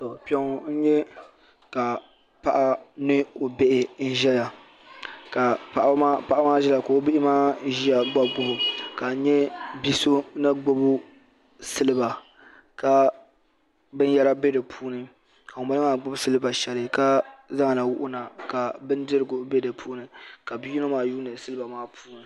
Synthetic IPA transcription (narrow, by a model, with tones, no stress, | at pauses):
tɔ˨pi˨ɛ˦ŋ˨n̩˦ɲɛ˦ | ka˨ | pa˦ʔa˦nɨ˦o˨be˦ʔɪ˨n̩˦ʒɛ˦la˨ | ka˨pa˨ʔa˦pa˦ʔa˦maː˦ʒɛ˦la˨ko˨o˦bɪ˦ɪ˦maː˦ʒi˦a˨ɡ͡ba˦bʊ˦hʊ˨ka˨n̩˦ɲɛ˦bi˦so˦na˦ɡ͡bʊ˦bʊ˦ | sɨ˦lɨ˦ba˨ | ka˨ | bɨ˦n˦jɛ˦ɾa˦be˦dɨ˨pʰuː˦nɨ˦ | ka˨o˨mba˦lɨ˦maː˦˨ɡ͡bʊ˦bsɨ˦lɨ˦ba˨ʃɛ˨lɨ˦ka˦za˦ŋa˨na˨wʊ˦ʔʊ˦na˨ka˨bɨ˦ndɨ˦ɾɨ˨ɡʊ˨˦be˦dɨ˨pʰuː˦nɨ˨ka˨bi˦ju˦no˦maː˦juː˦nɨ˨sɨ˦lɨ˦ba˨maː˦pʰuː˦nɨ˨